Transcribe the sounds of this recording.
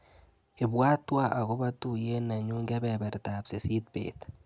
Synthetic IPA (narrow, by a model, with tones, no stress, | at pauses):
e˨βwaː˦twa˦ʔa˨ɣo˦βa˦tu˦˨je˦na˨ɲuː˦ŋɡa˦βeβa˨ɾi˨ta˨βse˨si˦t̚pḛːt